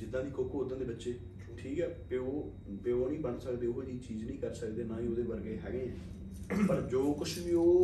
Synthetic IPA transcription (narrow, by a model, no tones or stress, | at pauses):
d͡ʒɪd̪ːãːd̪iːkoːkʰooːd̪ə̃nd̪eːbətːʃeː | ʈʰiːkɛːpeoː | peoːnĩːbənsəkd̪eːʊɦoːd̪iːt͡ʃiːznĩːkəɾsəkd̪eːnãːĩːoːd̪eːbəɾɡeːɦɛ̰ːɡeːɛ̃ː | pəɾd͡ʒoːkʊt͡ʃʰʋiːoː